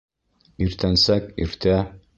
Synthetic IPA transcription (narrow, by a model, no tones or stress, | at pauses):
iɾt̪ænsækiɾt̪æ